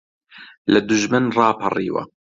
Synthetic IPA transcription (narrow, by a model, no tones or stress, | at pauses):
lɐd̪ʊʒmɨnrɑːpʰɑrḭːwɐ̰